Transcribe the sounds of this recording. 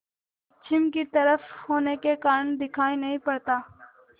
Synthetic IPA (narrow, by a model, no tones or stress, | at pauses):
t͡ʃʰɪmkit̪ɐɾəfhoːnekekaːɾəɳd̪ɪkʰaːinɐɦĩpɐɽt̪aː